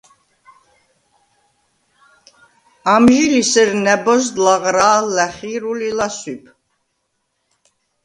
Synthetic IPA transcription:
amʒilisəɾnɛbɔzd̪laʁɾaːlæχiɾulilaswipʰ

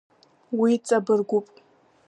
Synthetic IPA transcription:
wit͡sʼɐbɨrɡʷʊpʼ

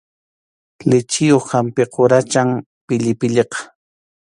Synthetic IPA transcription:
lɪt͡ʃɪjoχhampɪqʰoɾat͡ʃaŋ | pɪʎɪpɪʎeqɑ̥

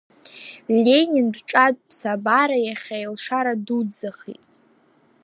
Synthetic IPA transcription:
lʲe̞nʲindʈ͡ʂʼadʼpʰsabaɾajaχʲajlʂaɾadud͡zaχḭtʼ

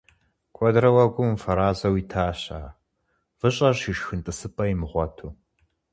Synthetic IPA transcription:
kʷʼɔdrɐwɐɡʷʊmfɐɾaːzɐwiːtʰaːɕaː | vɨɕʼɐriʃxɨntʼɨsɨpʼɐjimʁʷɔtʰuː

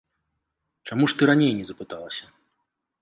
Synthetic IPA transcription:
t͡ʂamuʂt̪ɨɾanʲejnʲɛzɐpɨt̪alˠɐsʲɐ

